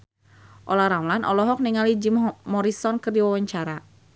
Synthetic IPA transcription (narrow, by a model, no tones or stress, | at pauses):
ʔɔlaɾamlanʔɔ̰lɔɦɔk̚niŋalid͡ʒimmɔɾisɔnkɨrdiwawaɲt͡ʃaɾa